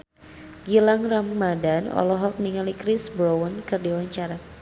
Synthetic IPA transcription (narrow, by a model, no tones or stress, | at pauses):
ɡilaŋramːadanɔ̰lɔɦɔk̚niŋalikɾisbɾowənkɨrdiwaɲt͡ʃaɾa